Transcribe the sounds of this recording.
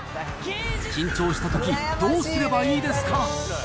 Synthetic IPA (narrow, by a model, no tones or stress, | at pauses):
ɕĩɲ̟t͡ɕo̞ːɕi̥t̪at̪o̞kʲid̪oːsɨɾe̞baiːd̪e̞sɨ̥ka